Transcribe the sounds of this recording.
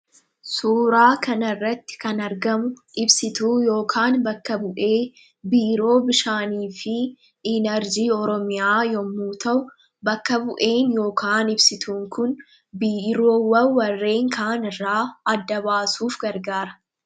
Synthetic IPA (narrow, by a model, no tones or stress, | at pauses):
suːɾaːkɐnɐrːɐt̪ːɪ̥kɐnɐɾɡɐmʊʔɪbsɪt̪uːjo̞ːkʰaːnbɐkːɐbʊʔeː | biːɾo̞ːbɪʃaːniːfɪ | ɪnɐɾd͡ʒiːɔɾɔmɪjaːjɔmːuːt̪ɐʔʊ | bɐkːɐbʊʔe̞ːnjo̞ːkaːnɪbsɪt̪uːŋkʊn | biːɾo̞ːwɐwːɐrːe̞ːŋkʰaːnɪrːaːɐd̪ːɐbaːsuːfɡɐɾɡaːɾɐ̥